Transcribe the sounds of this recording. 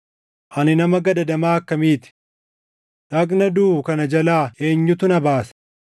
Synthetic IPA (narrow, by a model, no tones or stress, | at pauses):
ʔɐnɪnɐmɐɡɐd̪ɐd̪ɐmaːɐkːɐmiːt̪ɪ̥ | ᶑɐknɐd̪uːkɐnɐd͡ʒɐlaːe̞ːɲːʊt̪ʊnɐbaːs